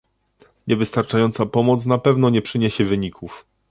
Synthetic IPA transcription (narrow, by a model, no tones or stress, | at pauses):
ɲʔɛvɘst̪aɾt͡ʂajɔnt̪sapɔmɔt̪snapɛvnɔɲɛpʂɘɲeɕɛvɘɲikʰuf